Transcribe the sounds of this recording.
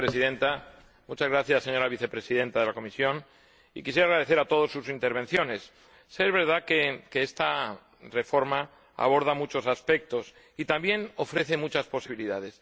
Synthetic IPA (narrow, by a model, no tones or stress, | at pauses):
pɾesiðẽ̞nt̪a | mut͡ʃazɣɾaθjasːe̞ɲo̞ɾaβiθe̞pɾe̞siðẽ̞nt̪aðelako̞misjo̞n | ikisje̞ɾaɣɾaðe̞θe̞ɾat̪o̞ð̞o̞sːusint̪e̞ɾβe̞nθjo̞ne̞sː | ezβe̞ɾð̞akekeest̪a | re̞fo̞ɾma | a̰β̞o̞ɾð̞amut͡ʃo̞saspe̞k̚t̪o̞s | it̪ambje̞no̞fɾe̞θe̞mut͡ʃaspo̞siβiliðað̞e̞s